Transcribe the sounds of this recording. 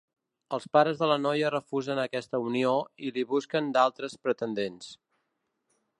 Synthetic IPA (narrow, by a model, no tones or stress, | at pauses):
əlˠspaɾəzðələnɔjərəfuzənəkɛst̪əunioiliβuskənd̪alˠt̪ɾəspɾət̪ənd̪ens